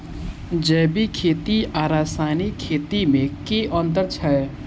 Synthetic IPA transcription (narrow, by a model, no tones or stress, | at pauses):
d͡ʒɛːbikʰeːt̪iaːɾaːsaːnikʰːeːt̪imẽkeʔɔ̃ːnt̪̬əɾt͡ʃʰɛ